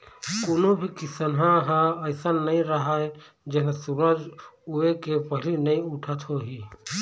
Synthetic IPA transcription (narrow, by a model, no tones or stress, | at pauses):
koːnobʱikisənɦãɦãəɪsənːəĩɾəɦae | d͡ʒeɦnasuɾəd͡ʒuekepəɦlinəĩʊʈʰət̪ɦoɦi